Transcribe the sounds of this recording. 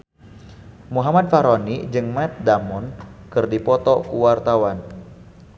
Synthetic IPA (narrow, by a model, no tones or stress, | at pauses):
muɦamad̪̚faɾonid͡ʒɨŋmɛt̪̚damɔnkɨrdipɔt̪ɔkuwart̪awan